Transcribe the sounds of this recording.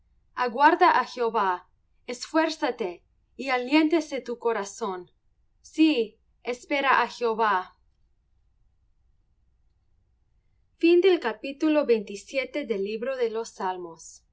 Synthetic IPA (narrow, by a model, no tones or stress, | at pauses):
aɣwaɾðaʔaxeoβa | esfwe̞ɾsat̪e | ialje̞nt̪eset̪ukoɾaso̞n | si | espeɾaʔaxeoβa | find̪elkapit̪ulo̞βejnt̪isjet̪eðelːiβɾo̞ðelosːalmos